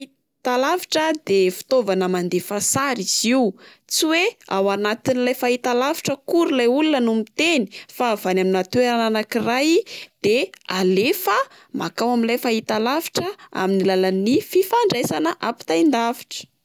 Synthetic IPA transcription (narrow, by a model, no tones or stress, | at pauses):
i | t̪alavi̥ʈ͡ʂəd̪efi̥t̪ovanəmand̪efasaɾiz̥iwu | t͡siwea̰wanat̪inilajfait̪alavi̥ʈ͡ʂəkuɾulajulunənumit̪eni̥fav̥anaminat̪ueɾananakirajd̪̥ealefə | makawaminlajfaɦit̪alavi̥ʈ͡ʂəa̰minilalanififaɳɖ͡ʐesanəʔapi̥t̪aind̪avi̥ʈ͡ʂə̥